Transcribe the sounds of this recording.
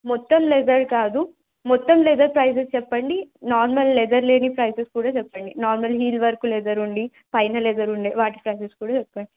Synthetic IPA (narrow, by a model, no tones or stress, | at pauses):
mɔt̪ːɐmlɛd̪ɐɾkaːd̪u | mɔt̪ːɐmlɛd̪ɐɾpɾɐjs̬est͡ʃɛpːɐɳɖinaːɾmɐlːɛd̪ɐɾle̞ːnipɾɐjseskuːɽaːt͡ʃɛpːɐɳɖinaːɾmɐlɦiːlʋɐɾkulɛd̪ɐɾuɳɖi | pɐjnɐlɛd̪ɐɾuɳɖeːʋaːʈi̥pɾɐjseskuːɽaːt͡ʃɛpːɐɳɖi